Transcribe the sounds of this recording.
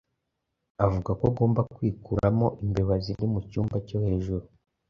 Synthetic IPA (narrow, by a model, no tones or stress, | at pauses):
avuɡakoɡo̞ːmbakwiːkuɾamo̞ʔimbeβazinimucuːmbaco̞he̞ːʒuɾu